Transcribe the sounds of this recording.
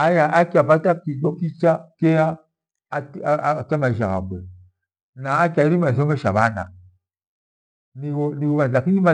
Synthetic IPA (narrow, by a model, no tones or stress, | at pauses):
ajaʔakʲapatakidokit͡ʃakeja | tamaʒa̰ɣa̰bə | naakʲaimas̬omeʃa̰bana̰ | niwoniwobaakiima